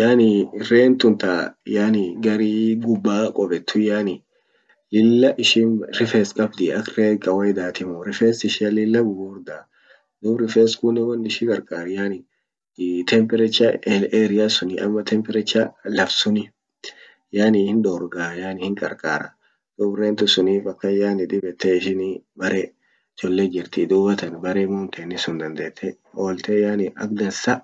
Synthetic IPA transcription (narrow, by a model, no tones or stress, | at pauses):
jaːnɪreːnt̪ʊnt̪aːjaːnɪɡɐɾiːɡʊbːaːkʼɔbɛt̪ʰːʊjaːnɪ | lɪlːɐʔɪʃiːnɾɪfeːskʼɐbd̪ɪɐkreːkʼɐwɛjd̪aːt̪ɪmʊɾɪfeːsɪʃɪɐlɪlːɐɡʊbuːɾd̪aː | d̪ʊbɾɪfeːskʊnːɪwɐnːɪʃɪkʼɐɾkʼaːɾɪjaːnɪ | t̪ʰɛmpɛɾɛt͡ʃːɐeːɾɪjasʊnɪʔɐ̰mːɐt̪ʰɛmpɛɾɛt͡ʃːalɐfsʊnɪ | jaːnɪhɪnᶑoːɾɡaːjaːnɪhɪŋkʼɐ̰ɾkʼaːɾɐ̰ | d̪̥ʊbreːnt̪ʊsʊniːfɐkːɐjaːnɪd̪ɪbɛt̪ːeɪʃɪnibɐɾe | t͡ʃɔlːed͡ʒɪɾt̪ɪd̪uːbɐt̪ɐnbɐɾeːmuːnt̪ʰeːnːɪsʊnd̪ɐnd̪eːt̪ʰːɛ | hoːlt̪ejaːnɪɐ̰kd̪ɐsɐ